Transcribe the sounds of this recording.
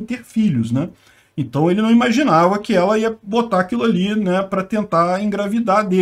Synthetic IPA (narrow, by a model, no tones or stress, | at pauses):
t̪eɾfiʎʊsnɛ | ẽt̪ɐ̃w̃elɪnɐ̃w̃imaʒinavɐkɪɛlɐiɐbot̪aːkilʊalinɛpɾɐt̪ẽnt̪aẽɡɾavid̪ad̪e